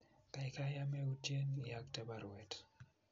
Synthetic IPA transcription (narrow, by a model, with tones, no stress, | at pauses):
ka˨ika˦ja˦mɛ˦u˨t͡ʃe˦ni˨ak̚tɛba˨ɾwɛt